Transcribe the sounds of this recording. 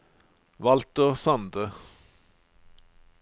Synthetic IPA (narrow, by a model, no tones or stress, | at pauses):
ʋɑlt̪əʁsɑnd̪ə